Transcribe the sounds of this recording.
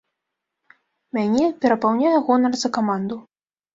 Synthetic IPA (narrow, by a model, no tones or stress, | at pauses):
mʲanʲɛpʲɛɾɐpawnʲajɛɣɔnɐrzɐkamand̪u